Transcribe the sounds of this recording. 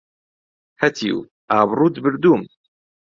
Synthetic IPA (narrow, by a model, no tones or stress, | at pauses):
hɐt̪ʰḭw | ʔaːbɾˤuːd̪bɨɾd̪uːm